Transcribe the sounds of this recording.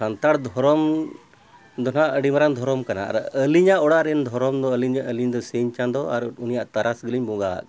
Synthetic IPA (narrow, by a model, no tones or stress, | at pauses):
ant̪aɽd̪ʱɔɾɔm | d̪ɔnaʔəɖimaɾand̪ʱɔɾɔmkana̰a̰ɾəliɲaʔɔɽaʔɾɛnd̪ʱɔɾɔmd̪ɔəliɲaʔəliɲd̪ɔsiɲt͡ʃand̪ɔaɾunijaʔt̪aɾasɡəliɲbɔɡaa̰ʔ